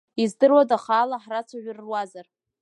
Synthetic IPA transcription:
izdɨrwadaχaːlaħrat͡sʰaɥʷᶣrːwazar

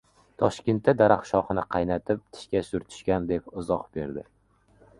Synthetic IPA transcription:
t̪ʰɒʃkʲe̞nt̪ːad̪aɾaχʃɒχɨnɪqʰɑjnat̪ʰɪp̚t̪ʰɪ̥ʃkʲasʊɾt̪ʰʊ̥ʃkʲand̪e̞p̚ʊzɒqb̥e̞ɾd̪ɪ

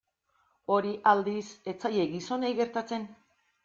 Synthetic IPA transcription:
o̞ɾiʔald̪ise̞t͡sajeɡiso̞nejɣe̞ɾt̪at͡se̞n

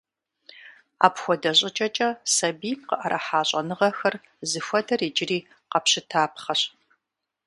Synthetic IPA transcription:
a̰ːpxʷɔdɐɕʼɪt͡ʃʼɐt͡ʃʼɐsɐbiːmqəʔɐɾʔɐħaːɕʼɐnɨʁɐxɐr | zɨfʷɐdʰɐreːd͡ʒɪriː | qɐpɕɪtʰaːpχɐɕ

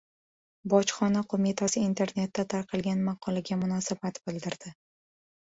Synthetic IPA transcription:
bɒt͡ʃχɒnaqʰomɪt̪ʰasɪint̪ʰe̞ɾne̞t̪ːat̪ʰaɾqʰɨlˠɡʲanmɑqʰɒlˠaɡʲamʊnɒsabat̪bɪld̪ɪɾd̪̥ɪ

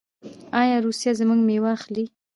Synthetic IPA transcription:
ɑjɑɾusjazəmuɡmewaxli

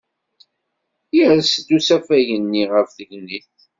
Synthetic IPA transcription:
jiɾst̪ːusæfæʝənːiʁəfðəʝniθ

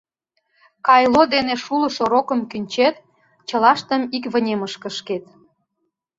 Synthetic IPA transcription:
kɑjlod̪eneʃulə̆ʃoɾokə̆mkynʲt͡ɕet̪ | t͡ɕə̆lɑʃt̪ə̆mikβə̆nʲeməʃkə̆ʃket̪̚

